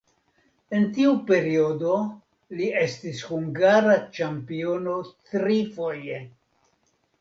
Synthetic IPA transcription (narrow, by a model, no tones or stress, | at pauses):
e̞ntiupe̞ɾio̞do̞ | lie̞stishuŋɡaɾat͡ʃampio̞no̞tɾifo̞je̞